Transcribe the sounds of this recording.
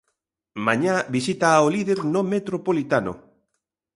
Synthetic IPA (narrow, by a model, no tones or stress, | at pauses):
maɲabisit̪aoliðeɾnomet̪ɾopolit̪ano̰